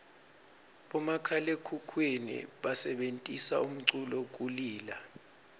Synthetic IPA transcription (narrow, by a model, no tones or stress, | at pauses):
ɓɔmakʰalekʰukʰwenḭɓasɛɓentʼisa̰um̩ǀulɔk̬ʼuliːla